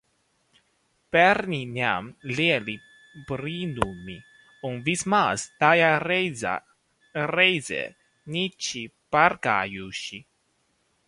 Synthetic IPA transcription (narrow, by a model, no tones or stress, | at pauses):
pɛɾninja̰mleli | pɾinumːi | uŋvismast̪ajaza̰ | rejzḛ | nit͡ʃipaɾka̰juʃi